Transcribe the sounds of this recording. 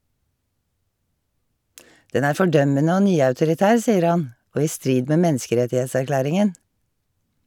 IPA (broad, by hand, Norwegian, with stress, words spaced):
ˈdɛn ˈæːɹ ˌfɔˈɖœmənə ˈoː ˈnyːɑʉtʊɾɪˌtæːɹ ˈsiːəɾ ˈhɑn ˈʔoː ˈiː ˈstɹiːd ˈmeː ˈmɛnskəˌɾɛtɪhɛtsæɾˌklæːɾɪŋən